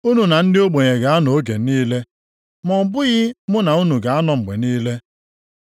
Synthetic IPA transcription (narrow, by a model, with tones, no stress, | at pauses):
u˦nu˨na˨n̩˦dɪ˦o˦ɡ͡bo˨ɲe˨ɡa˨a˦nɔ˨o˦ɡe˨niː˦le˦ | mɔ˨m̩˨bʊ˦ɣɪ˦mʊ˦na˨u˦nu˨ɡa˨a˦nɔ˨ŋ͡m̩˨ɡ͡bḛ˨niː˦le˦